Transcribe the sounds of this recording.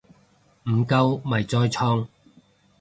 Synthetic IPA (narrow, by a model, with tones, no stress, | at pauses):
m̩˨˩kɐ˧wmɐ˨˩jt͡sɔː˧jt͡ʃʰɔː˥ŋ